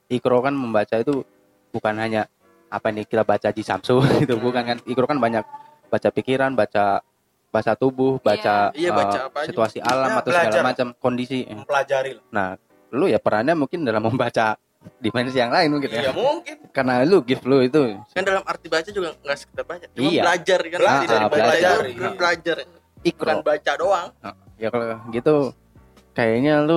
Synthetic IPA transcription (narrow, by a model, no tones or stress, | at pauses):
ikɾokanməmbat͡ʃait̪u | bukanɦaɲa | apanikit̪abat͡ʃadisa̰msʊɡit̪ubukankanikɾokanbaɲak̚ | bat͡ʃapikiɾanbat͡ʃa | bat͡ʃat̪ubʊhbat͡ʃaəasiuasiʔalamat̪awsɡalamat͡ʃəmkondisipəlad͡ʒaɾilnah | lʊjapəɾaɲamuŋkɪndalamːəmbat͡ʃa | difɛnsijaŋlaɪnmuŋkɪnjamuŋkɪnkarnaluɡɪflʊit̪ukandalamart̪ibat͡ʃad͡ʒuɡaŋɡaʔsə̥ki̥t̪abat͡ʃad͡ʒiajaəlad͡ʒarkalaʔabbəlad͡ʒabəlad͡ʒar | ikɾaonbat͡ʃadoaŋəʔjakaloɡit̪u | kajaɲalʊ